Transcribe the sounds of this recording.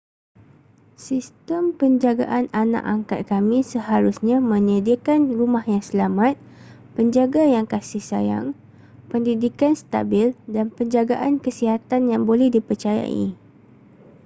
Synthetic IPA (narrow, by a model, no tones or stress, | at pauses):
sist̪əmpəɲd͡ʒaɡa̰ʔanana̰ʔaŋka̰t̪̚kamĩsəhaɾusɲãmə̃ɲədəkanrumahjaŋsəlamãt̪̚ | pəɲd͡ʒaɡajaŋkasɪhsa̰ja̰ŋ | pəndidikanst̪a̰bɪldanpəɲd͡ʒaɡaʔankəsiɦat̪anjaŋbolɛhdipərt͡ʃaja̰ʔḭ